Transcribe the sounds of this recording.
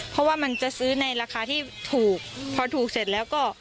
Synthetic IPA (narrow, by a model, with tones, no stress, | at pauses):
pʰɔ˦˥waː˥˩ma˧nt͡ɕa˨˩ʔsɯː˦˥na˧jɾaː˧kʰaː˧t̪ʰiː˥˩t̪ʰuː˨˩k̚pʰɔː˧t̪ʰuː˨˩k̚se˨˩t̪̚lɛː˦˥wkɔː˥˩